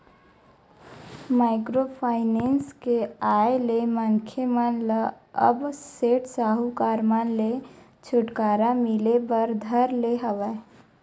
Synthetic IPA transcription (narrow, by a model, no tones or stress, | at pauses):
maːɪkɾopʰaːɪnenskeaeleməŋkʰemənlə | ə̰bseːʈsaɦukaːɾmanle | t͡ʃʰʊʈkaɾamilebəɾd̪ʱəɾleɦəʋə